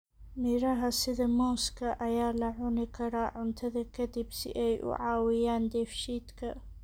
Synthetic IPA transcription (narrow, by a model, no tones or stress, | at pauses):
mɪɾɐɦɐsɪðɐmɔːskʰɐʔɐjaːlɐʕʊnɪkʰɐɾaːʕʊnt̪ʰɐðɐkʰɐd̪ɪbsɪ̰ʔɛjʔʊ̰ʕaːwɪjaːnd̪ɛːfʃiːd̪kʰɐ